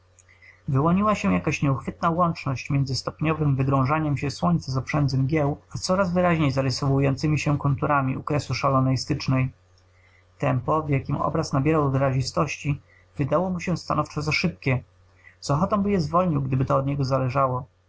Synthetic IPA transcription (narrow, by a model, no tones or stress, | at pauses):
vɘwɔɲiwaɕɛ̃jakaɕɲɛuxfɘt̪̚nawɔnt͡ʂnɔɕt͡ɕmʲjɛnzɘst̪ɔpɲɔvɘmvɘɡɾɔ̃w̃ʐaɲɛmɕɛswɔɲt̪sazɔpʂɛnd̪zɛmɡʲjɛwat̪sɔɾazvɘɾaʑɲejzaɾɘsɔvujɔnt̪sɘmʲiɕɛkunt̪uɾamʲḭukɾɛsuʂalɔnɛjst̪ɘt͡ʂnɛj | t̪ɛmpɔvjakʲimɔ̰bɾasnabʲjɛɾawvɘɾaʑist̪ɔɕt͡ɕi | vɘd̪awɔmuɕɛst̪a̰nɔft͡ʂɔzaʂɘp̚kʲɛ | z̥ɔxɔt̪ɔ̃mbɘjɛzvɔlɲiwɡd̪ɘbɘt̪ɔːd̪ɲɛɡɔzalɛʐawɔ